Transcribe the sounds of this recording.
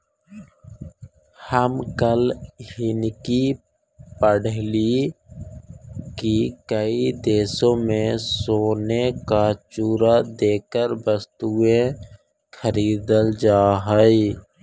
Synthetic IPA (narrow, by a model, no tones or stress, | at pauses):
həmkəlhɪnki | pəɽli | kikəid̪eːsõmẽsoːnekat͡ʃuːɾad̪eːkəɾbəst̪uẽ | xəɾiːd̪əld͡ʒaːɦəi